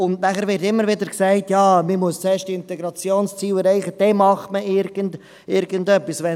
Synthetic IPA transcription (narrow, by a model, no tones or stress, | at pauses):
ʊndnæχəɾʋɪɾtɪmːəɾʋɪdəɾksæɪtjɑːmimuəst͡shɛːʃtiɪntɛɡɾɑt͡sjoːnst͡siːwɛɾɛɪχəd̥ɛmɑχtməʔɪɾɡ̥ənd̥ | ɪɾɡəndœpːisʋɛ